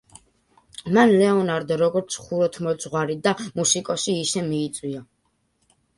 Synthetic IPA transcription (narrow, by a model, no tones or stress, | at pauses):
manlɛɔnaɾd̪ɾɔɡɔɾt̪sʰχuɾɔt̪ʰmɔd̪zʁwaɾid̪amusikʼɔsiːsɛmiːt̪sʼwia